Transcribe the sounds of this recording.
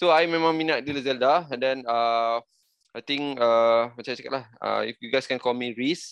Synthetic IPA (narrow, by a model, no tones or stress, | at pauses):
soajmɛ̃mãŋmĩnaʔ̚diləzəldadɛ̃nə | ajt̪ĩŋəmət͡ʃajt͡ʃaka̰t̚lahə̰ḭfjuɡajskɛ̃nkɔlmiɹis